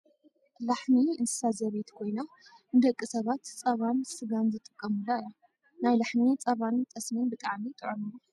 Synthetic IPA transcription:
laħmiɨnt̪ʰɨ̥sazɐβet̪kʰo̞jna | nɨd̪ɐkʼːisɐβat̪t͡sʼɐβansɨɡanzɨt̪ʼɨkʼːɐmɨlːaɨjo | najlaħmit͡sʼɐβant̪ʼɐsmɨnbɨt̪ʼaʕmit̪ʼɨʕonɨnːu

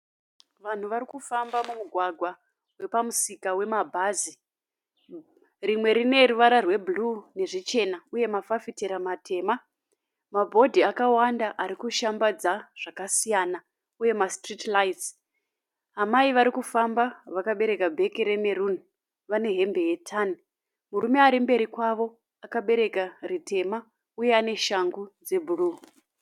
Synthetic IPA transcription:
ʋan̤uʋaɾikufambamumuɡʱwaɡʱwa | we̞pamusikawe̞mabʱaːzi | rimwe̞ɾine̞ɾuʋaɾarwe̞bʱulune̞ʐit͡ʃe̞nauje̞mafafiteɾamatʰe̞ːma | mabʱo̞dʱiakawandaʔaɾikuʃambad͡zaʐ̥akasijaːna | uje̞mastritlaits | ɦamaiʋaɾikufambaʋakaɓe̞ɾe̞kabʱe̞kiɾemeɾun | ʋane̞ɦe̞mbe̞je̞tʰani | murume̞aɾimbe̞ɾikwaʋo̞ | akaɓe̞ɾe̞karitʰe̞ma | uje̞ane̞ʃaŋɡud͡ze̞bʱuluː

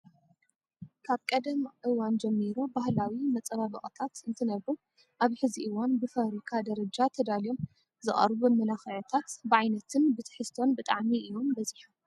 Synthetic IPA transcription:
kʰaβkʼɐd̪ɐmʔɨwand͡ʒɐmːiɾobahlawimɐt͡sʼɐβaβɨχʼt̪ʰat̪ɨnt̪ʰɨnɐβu | ʔaβħɨziʔɨwanbɨfɐɾikʰad̪ɐɾɐd͡ʒat̪ʰɐd̪aljo̞m | zɨχʼɐ̰ɾbubmɐlaxɐʕot̪ʰat̪bɨʕajnɐt̪ʰɨnbɨt̪ʰɨ̥ħɨst̪ʰo̞nbɨt̪ʼa̰ʕmiʔɨjːo̞mbɐziħum

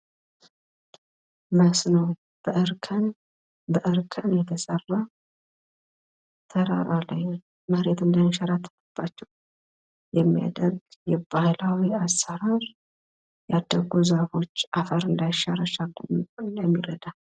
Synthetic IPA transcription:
məsnəw | b̥əʔɨɾkʰən | bəʔɨɾkʰənjɛt̪ʰəsərːa | t̪ʰəɾa̰ɾalaj | məɾe̞t̪ɨnd̪ənʃaɾat̪ʰːə̥fəb̥ːat͡ʃːɛw | jɛmːija̰d̪əɾɡjɛbahlawiasːəɾaɾ | jad̪ːəɡuzəfo̞t͡ʃːafəɾɨnd̪ajʃaɾəʃalːəndəmːiɾəd̪a

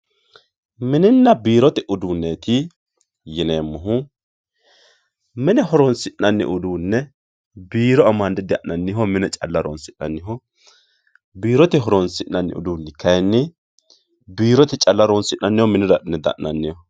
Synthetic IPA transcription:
mɪnɪnːɐbiːɾɔt̪ɛʔʊd̪unːeːt̪ɪ | jɪneːmːʊɦʊ | mɪnɛɦɔɾɔnsɪnːɐnːɪ̰ʔʊd̪uːnːɛ | biːɾɔɐmɐnd̪ɪd̪ɪɐ̰ʔɐnːɪhɔmɪnɛt͡ʃʼɐ̰lːɐɾɔ̰nsɪnɐnːɪɦɔ | biːɾɔt̪ɛɦɔɾɔnsɪʔnɐnːɪ̰ʊ̰d̪uːnːɪkɐjnːɪ | biːɾɔt̪ɛt͡ʃʼɐlːɐɾɔnsɪnːɐnːɪhɔmɪnɪd̪ɐnɛd̪ɐ̰ʔːɐ̰nːɪjɔ

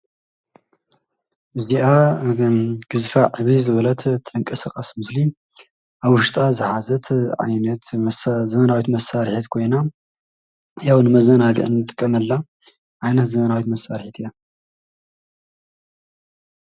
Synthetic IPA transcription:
ʔɨziʔa | ɡ̥ɨzfaʕɨβizɨβɐlɐt̪ʰt̪ʰʼɨŋkʼɐsaχʼasmɨsli | ʔaβwʊʃt̪ʼazɨħazɐt̪ʰʕa̰jnɐt̪zɐmɐnawit̪mɐsaɾħit̪kʰo̞jna | jawnɨmɐzɐnaɡɨ̰ʔɨnɨt̪ʼɨkʼːɐmɐlːa | ʕajnɐt̪zɐmɐnawit̪mɐsaɾħit̪ɨja

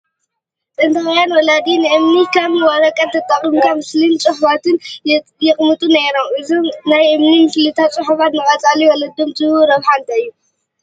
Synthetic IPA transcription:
t̪ʼɐnt̪ʰɐχʼɐjanwɔlad̪inɨʔɨmnikʰaβnɨwaɾɐkʼɐt̪ʰɐt̪ʼːaχʼimɨkʰamɨslint͡sʼɨħʊbat̪ʰɨnjɛχʼmɨt̪ʼunaɾomʔɨzomnajʔɨmnimɨslɨt̪ʰat͡sʼɨħuβat̪nɨχʼɐt͡sʼaliwɔlɐd̪omzɨβuɾɐβħant̪ʰaɨjːu

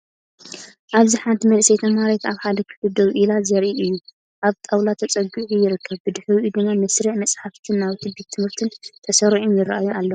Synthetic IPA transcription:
ʔaβziħant̪ʰimɐlsɐjt̪ʰɐmaɾet̪aβħad̪ɐkʰɨ̥flɨd̪ɐβʔilazɐɾʔiʔɨjːu | ʔaβt̪ʼawlat̪ʰɐt͡sʼɐɡɨʔujɪɾɨkʰːɐβbɨd̪ɨħɨwiʔud̪ɨmːamɨsɾiʔmɐt͡sʼħaft̪ʰɨnːaβt̪ʰɨbet̪ʰːɨmɨɾt̪ʰɨnt̪ʰɐsɐɾʕomjɪɾaʔajualːo

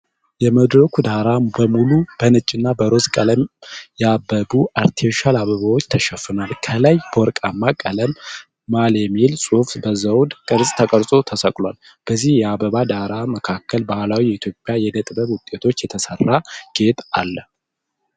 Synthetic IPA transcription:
jɛməd̪ɾəkud̪aɾabəmulub̥ənɨt͡ʃʼːɪnːabəɾo̞skʼələmjɛabːəbuaɾt̪ʰioʃalaβəβawo̞t͡ʃːt̪ʰəʃɛfɨnalkʰəlajb̥əwɔɾkʼamːakʼələmː | aljɛmilsʼufbəzəwd̪kʼɨɾsʼt̪ʰəkʼəɾsʼo̞t̪ʰəsəkʼlwal | b̥əzːihjɛabəβad̪aɾaməkʰakʰːəlbahlawijɛit̪ʰjo̞pʼjajɛd̪ət̪ʼbəβwʊt̪ʼːe̞t̪ʰo̞t͡ʃːjɛt̪ʰəsərːaɡ̥e̞t̪ʰʼa̰lːə

